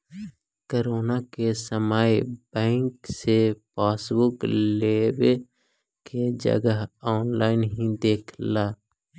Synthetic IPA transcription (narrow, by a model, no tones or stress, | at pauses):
koɾoːnakesəmaːjb̥ɛ̃ːŋksepaːsbʊklewe | ked͡ʒə̰ɡəɦɔːnlaːɪnɦĩd̪eːkʰlaː